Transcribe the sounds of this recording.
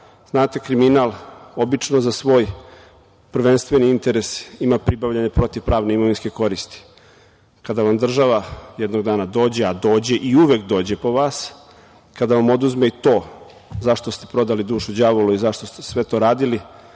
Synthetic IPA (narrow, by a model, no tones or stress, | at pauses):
z̥naːt̪e̞kɾiminalo̞bit͡ʃnozasʋo̞ːj | pr̩ʋe̞nst̪ʋe̞niint̪eɾesimapɾibaʋʎaɲepɾo̞t̪iʋpɾaːʋneimo̞ʋinskeko̞ɾist̪i̥ | kad̪aʋamd̪r̩ʒaʋajed̪no̞ɡ̚d̪aːnad̪o̞ːd͡ʑead̪o̞ːd͡ʑe̞ʔiuʋekd̪o̞ːd͡ʑepo̞ʋaːs | kad̪aʋamo̞d̪uzmeit̪o̞ː | zaʃt̪ost̪epɾo̞d̪alid̪uːʃud͡ʑaʋoluizaʃt̪o̞st̪esʋe̞t̪o̞ɾaːd̪ili